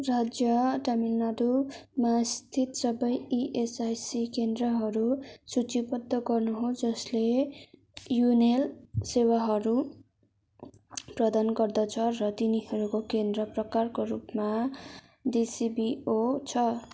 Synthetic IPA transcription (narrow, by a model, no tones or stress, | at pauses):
rad͡zjʌʈamilnʌɾumast̪ʰit̪sʌbʌjiʔesajsikend̪rʌɦʌɾusut͡sipʌd̪ːʌɡʌrnuɦod͡zʌsle | junelsewaɦʌɾu | prʌd̪anɡʌrd̪ʌt͡sʰʌrʌt̪iniɦʌɾukokend̪rʌprʌkarkorupma | disibiot͡sʰʌ